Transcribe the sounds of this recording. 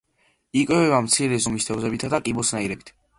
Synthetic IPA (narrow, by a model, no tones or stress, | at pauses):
ikʼwɛvɛvamt̪sʰiɾɛzumist̪ʰɛvzɛbit̪ʰad̪akʼibɔsnaiɾɛbit̪ʰ